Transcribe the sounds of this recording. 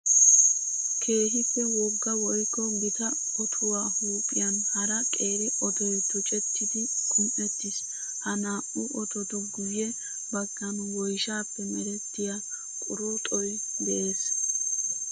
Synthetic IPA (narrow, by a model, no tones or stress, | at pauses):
kʰe̞ːɦɪpːɛwɔɡːɐwɔjkːɔɡɪt̪ɐ | ɔt̪ʰʊwaːhuːpʼːɪjɐnhɐɾɐkʼe̞ːɾɪʔɔt̪ɔjt̪ʊt͡ʃʼɛt̪ʰːɪd̪ɪkʰʊnʔɛt̪ːɪs | hɐnaːʔʊʔɔt̪ɔt̪ɔɡʊjjɛ | bɐɡːɐnʊwɔjʃaːpːɛmɛɾɛt̪ːɪja | kʼʊɾut̪ʼɔjd̪ɛʔe̞ːs